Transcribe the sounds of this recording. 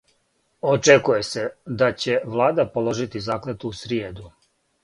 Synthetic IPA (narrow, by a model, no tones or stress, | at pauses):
ot͡ʂekuje̞se̞d̪at͡ɕe̞ʋlˠaːd̪apo̞lˠo̞ʒit̪izaːklet̪uusɾjeːd̪u